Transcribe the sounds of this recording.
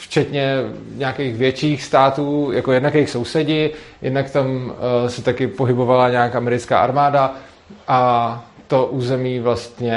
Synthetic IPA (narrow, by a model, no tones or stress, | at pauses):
ft͡ʃɛt̪ɲɛɲaːkejxvjɛt͡ʃiːxst̪aːt̪uːjako̞jɛdnakɛjxso̞wsɛɟɪjɪ̰dnakt̪amsɛt̪akɪpoɦɪbo̞valaɲaːkaamɛɾɪt͡ska̰ːʔaɾmaːda | ʔa | t̪o̞ʔuːzɛmiːvlast̪ɲɛ